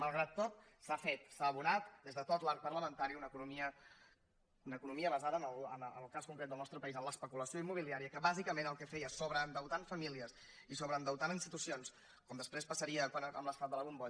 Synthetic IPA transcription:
məlˠɣɾat̪ːot̪̚ | safet̪saːβunat̪d̪ezðət̪ot̪laɾk̚pərləmənt̪aɾiunəkunumiə | unəkunumiəβəzaðənəlˠənəlˠkaskuŋkɾet̪̚d̪əlˠnɔst̪ɾəpəizəmləspəkuləsioimːuβ̞iliaɾiəkəβazikəmenəlˠkɛfɛjəsoβɾəːnd̪əwt̪aɱfəmiliəs | isoβɾəːnd̪əwt̪aninst̪it̪usions | kɔmd̪əspɾespəsəɾiəkwanəmləst̪at̪d̪ələβumbɔ

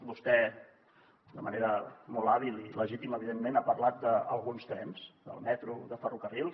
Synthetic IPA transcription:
bust̪ɛ | d̪əmə̰neɾəmɔlˠaβilˠiləʒit̪iməβiðemːenapərlat̪̚d̪əəlˠɣunst̪ɾɛnzd̪ə̰lˠmɛt̪ɾuðəfərukərilˠ

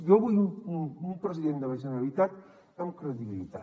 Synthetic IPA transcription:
joβujuumpɾəsiðend̪əmasenalit̪at̪ | əmkɾeðiβilḭt̪a

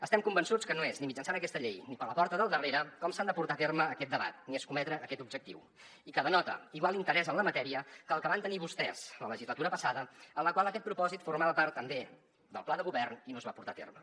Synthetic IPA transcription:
əst̪ɛmkumbənsut͡skənoeznimid͡ʒənsanəkɛst̪əʎejnipələpɔɾt̪əðəlˠd̪əreɾəkɔmsand̪əpuɾt̪at̪eɾməːkɛt̪̚d̪əβa̰t̪nieskumɛt̪ɾəʔːkɛt̪ubd͡ʒək̚t̪ḭw | ikəðənɔt̪ə̰iɣwalˠint̪əɾɛzənləmət̪ɛɾiəkəlˠkəβant̪əniβust̪ɛ̰zlələʒizlət̪uɾəpəsaðəənləkwaləkɛt̪̚pɾupɔzit̪fuɾmaβəpaɾt̪ːəmbe | d̪əlˠplaðəɣuβɛrninozβapuɾt̪at̪ḛrmə

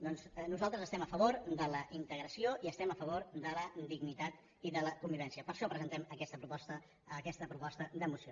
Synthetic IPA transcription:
d̪ɔnznuzalˠt̪ɾəzəst̪ɛməfəβ̞oɾd̪ələʔint̪əɣɾəsioʔiəst̪ɛməfəβ̞oɾd̪ələd̪iɡnit̪at̪ | iðələkumbiβɛnsiəpəɾʃɔpɾəzənt̪ɛməkɛst̪əpɾupɔst̪əː | kɛst̪əpɾupɔst̪əd̪əmusio

